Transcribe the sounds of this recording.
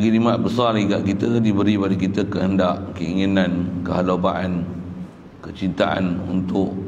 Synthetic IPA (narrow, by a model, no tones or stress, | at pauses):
ɡilimat̪̚bəsaliɡaʔkit̪ədibəɾibadikit̪əkəɦəndaʔkəiŋinãnkəɦalobaʔan | kət͡ʃint̪aʔa̰nṵnt̪ʊʔ